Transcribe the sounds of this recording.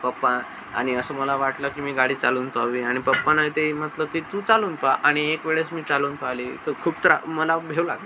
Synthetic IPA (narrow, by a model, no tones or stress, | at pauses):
pəpːã | a̰ɽ̃iəsəːməlaʋaʈləkiːmiːɡaɽiːt͡saluːnpaʋiːaɽ̃ipəpːanaɦit̪em̤ət̪ləːkiːt̪uːt͡saluːnpaʔaɽ̃iekʋeɭesmiːt͡saluːnpalḭːt̪əɾkʰuːp̚t̪əɾa̰məlabʱeʋla̰ɡlə